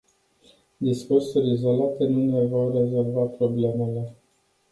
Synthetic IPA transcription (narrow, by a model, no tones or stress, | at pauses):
d̪iskursuɾʲizo̞lat̪e̞nune̞vo̞rre̞zo̞lvapɾo̞ble̞me̞le̞